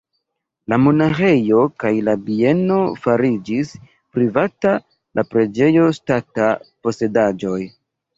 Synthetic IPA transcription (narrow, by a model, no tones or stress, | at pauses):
lamo̞naxe̞jo̞kajlabie̞no̞faɾid͡ʒis | pɾivata | lʔapɾe̞d͡ʒe̞jo̞statapo̞se̞dad͡ʒo̞j